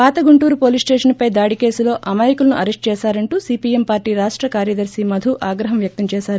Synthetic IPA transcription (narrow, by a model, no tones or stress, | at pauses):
paːt̪ɐɡuɳʈuːɾupo̞ːlisʈeːʂɐnpɐjd̪aːɽike̞ːsulo̞ːʔɐmaːjikulɐnuʔɐɾesʈ̚t͡ʃɛːsaːɾɐɳʈuːsiːpiempaːɾʈiːɾaːʂʈɾɐkaːɾjɐd̪ɐɾsimɐd̪ʱuʔaːɡɾɐɦɐmʋjɐk̚t̪ɐmt͡ʃɛːʃaːɾu